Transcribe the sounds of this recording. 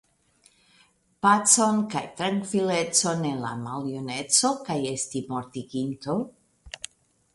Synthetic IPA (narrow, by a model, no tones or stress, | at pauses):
pat͡so̞nkajt̪ɾaŋkvilet͡so̞nenla̰malionet͡so̞kajestimoɾt̪iɡint̪o